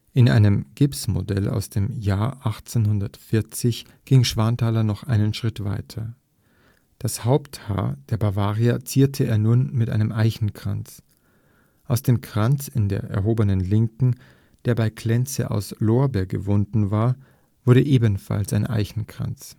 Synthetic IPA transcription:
ʔɪnʔa̰ɪnəmɡ̥ɪpsmo̰dɛla̰ʊsd̥eːmjaːɐʔaχt͡senhʊndɐtfɪɐt͡sɪç | ɡ̥ɪŋʃv̥aːntʰaːlɐnɔχʔaɪnənʃʁ̥ɪtv̥a̰ɪtʰɐ | d̥ashaʊptha̰ːɐd̥eːɐbaɐvaːʁiat͡siːɐtʰəʔeːɐnuːnmɪtʔa̰ɪnəmʔaɪçn̩kʁ̥a̰nt͡s | ʔaʊsd̥eːmkʁ̥ant͡sɪndḛːɐʔɛ̰ɐɦoːbənənlɪŋkŋ̩ | d̥eːɐbaɪkl̥ɛnt͡sə̰ʔa̰ʊsloːɐbɛɐkːə̰vʊndn̩vaːɐ | v̥ʊɐɾəʔeːbən̩fa̰lsaɪnʔa̰ɪçn̩kʁ̥a̰nt͡s

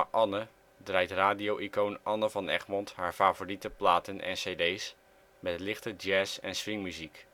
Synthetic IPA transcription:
ʔɑnə | drɛjtraːdijowʔikownʔɑnəvɑnɛ̰χmɔntɦaːɹfaːvoritəplaːtənʔɛ̰nsejdejs | mɛtlɪχtəd͡ʒɛːsɛ̰nsʋɪŋmyzik

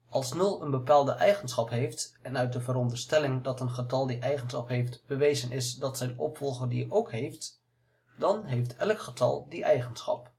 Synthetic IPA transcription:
ʔɑlˠsnɵlˠənbəpaːlˠdəʔɛjχənsχɑpɦejftɛnœɥt̚dəvəɾɔndərstɛlɪŋdɑtənχətɑlˠdiʔɛjχənsχɑpɦejftb̥əʋejzənʔɪsdɑtsɛjnɔ̰pfɔlˠχərdḭowkɦejft | dɑnɦejftʰɛlˠkχətʰɑ̰lˠdiʔɛjχənsχɑ̰p

